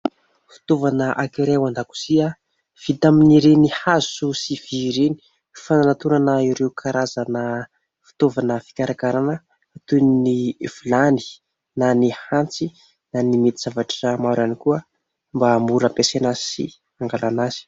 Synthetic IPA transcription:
fi̥t̪ovanəʔakiɾewand̪aku̥sia | v̥it̪aminiɾenihazusiviɾeni̥ | fananat̪unanaiɾeukʰaɾazanə | fi̥t̪ovanəfi̥kʲaɾakaɾanəː | t̪uniniv̥ulani̥ | nanihant͡si | nanimet̪iz̥avaʈ͡ʂəmaɾanikuə | mbamuɾapesenəsḭ | aŋɡalanazi̥

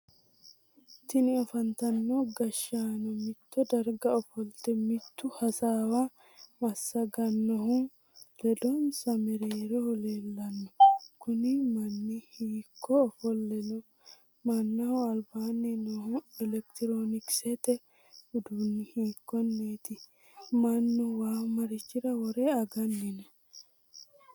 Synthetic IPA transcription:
t̪ɪnɪɔfɐnt̪ɐnːɔɡɐʃaːnɔmɪt̪ːɔd̪ɐɾɡɐɔfɔlt̪ɛmɪt̪ːʊhɐsaːwɐ | mɐsːɐɡɐnːɔɦʊ | lɛd̪ɔnsɐmɛɾeːɾɔhɔleːlːɐnːɔkʊnɪmɐnːɪhiːkʰːɔːfɔlːɛnɔ | mɐnːɐhʊɐlbaːnːɪnɔhʊɛlɛkt̪ɪɾoːnɪksɛt̪ɛ | ʊd̪unːɪhiːkːɔnːeːt̪ɪ | mɐnːɔwaːmɐɾɪt͡ʃːɪɾɐwɔɾeɐɡɐnːɪnɐ

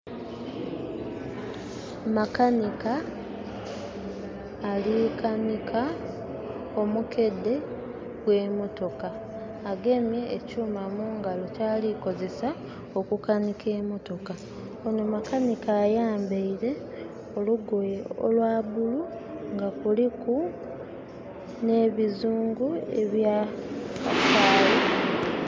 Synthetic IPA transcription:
makanika | likanikʰa | omuke̞dːe̞ | kwe̞ːmo̞to̞kaː | ɡe̞mje̞ːcuːmamuːŋɡalo̞caːliko̞ze̞sa | okukanikʰe̞ːmo̞to̞ka | onomakanikaːjaːmbeiɾe̞ | o̞luɡojeo̰lwaːβuluŋɡakuliku | ne̞ːβizuːŋɡue̞̰βja | afaːle

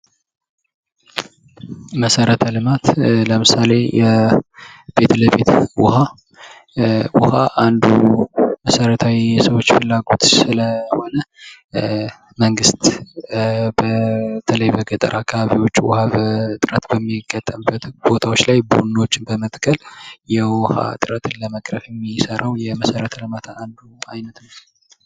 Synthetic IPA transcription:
məsəɾət̪ʰəlɨmat̪ləmɨsale̞jɛ | b̥e̞t̪ʰləβe̞t̪wʊ̰ha | wʊhaʔand̪uməsəɾət̪ʰawiɛsəwo̞t͡ʃːfɨlːaɡo̞t̪sɨləho̞nə | məŋɡɨst̪ | bət̪ʰələjbəɡət̪ʼə̰ɾʔakʰːaβaβiwo̞t͡ʃːwʊhaβət̪ʼɨɾət̪bəmːiɡət̪ʼːəmbət̪bo̞t̪ʰawo̞t͡ʃːlajbunːot͡ʃːɪnbəmət̪ʼkʰəljɛwʊha̰t̪ʼɨɾət̪ʰɨnləməkʼɾəfjɛmːisəɾʔəwjɛməsəɾət̪ʰələmat̪ʰaand̪uajnət̪nə

